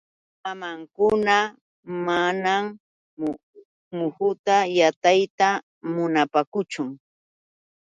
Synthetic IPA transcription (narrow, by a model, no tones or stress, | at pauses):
amaŋkʊna | manam | mʊhʊt̪ajat̪ajt̪a | mʊnapakʊt͡ʃʊŋ